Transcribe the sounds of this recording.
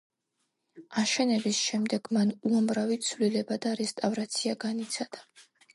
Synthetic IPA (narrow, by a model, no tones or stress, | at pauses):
aʃɛnɛbisʃɛmd̪ɛɡ̥manuamɾavit̪sʰvlilɛbad̪aɾɛst̪ʼavɾat̪sʰiaɡanit̪sʰad̪̥a